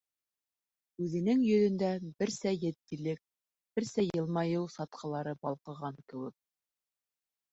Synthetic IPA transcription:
ʉðɘ̆nɘŋjɵ̆ðɵ̆nd̪æbɘɾsæjɘ̆t̪ːilɘk̚ | b̥ɘɾsæjɤ̆lˠmɑjɤwsɑt̪qʰɤ̆lˠɑɾɤbɑlˠqɤ̆ʁɑŋkɘ̆wɘk̚

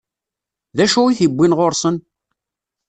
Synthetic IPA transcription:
ðæʃuiθibʷːinʁoɾsən

